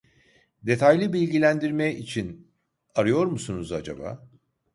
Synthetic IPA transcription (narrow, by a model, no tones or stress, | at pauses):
d̪e̞t̪ʰajlʲibilʲɟilʲænd̪iɾmɛit͡ʃʰin | aɾɯjo̞ɾmusunuzad͡ʒa̰ba̰ː